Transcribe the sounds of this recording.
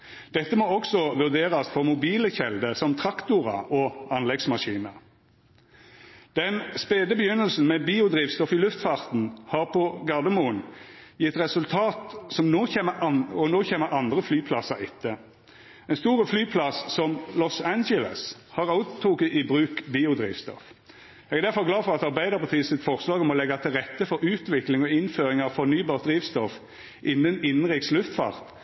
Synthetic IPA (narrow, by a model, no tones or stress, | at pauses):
d̪̥ɛt̪ːəmɔɔksɔʋʉʁd̪eːʁɑsfɔʁmʊbiːləçɛld̪əʁsɔmt̪ʰʁɑkt̪ʊʁɑ̰ʔɔɑnlɛɡsmɑʃiːnə | d̪̥ɛnspeːd̪əbəjʏnəlsn̩mɛbiːʊd̪ʁiːʋst̪ɔfɪlʉft̪fɑːʁt̪n̩hɑːʁpʰɔɡɑʁd̪əmuːənjɪt̪ʁɛsʉlt̪ʰɑːt̪sɔmnoːçeːməɑɔnoːçeːməʁɑnd̪ʁəflyːpʰlɑsɑʁɪt̪ʰːə | ɛnst̪uːʁəflyːpʰlɑsːɔmlɔsænd͡ʒələ̰shɑʁɑʊt̪ʰːʊkɪbʁʉːkbiːʊd̪ʁḭːʋst̪ɔ̰f | ɛɡɛd̪æʁfɔʁɡlɑːfɔʁɑt̪ɑʁbæɪd̪əʁpʰɑt̪ʰiːəsɪt̪fɔʁslɑːɡɔmɔlɛɡɑt̪ʰɪlʁɛt̪ːəfɔɾʉːt̪ʋɪklɪŋɔɪnføːʁɪŋɑʋfɔʁnyːbɑːʁt̪̚d̪ʁiːʋst̪ɔf | ʔɪnːənɪnnʁɪkslʉft̪fɑ̰ːʁt̪